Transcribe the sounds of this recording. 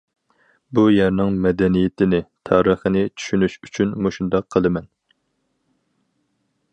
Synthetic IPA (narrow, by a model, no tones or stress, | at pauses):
bujæɾnɪŋmɛd̪ɛnijet̪ʰɪnɪt̪ʰɑːɾəχənɪt͡ʃʰy̥ʃynyʃyt͡ʃʰynmoʃund̪ɑqʰːəlˠɨmɛn